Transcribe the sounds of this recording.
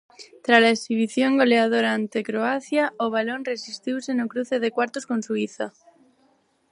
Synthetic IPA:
t̪ɾalaesiβ̞iθjo̞ŋɡo̞leað̞oɾaːnt̪ekɾoaθjaoβ̞alo̞nre̞sist̪iwsenokɾuθe̞ð̞e̞kwaɾt̪osko̞nsuiθa

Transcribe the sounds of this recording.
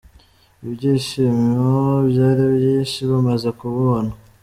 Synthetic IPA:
iβjiʃimiobjaːɾibjiːnʃiβamazekuβona

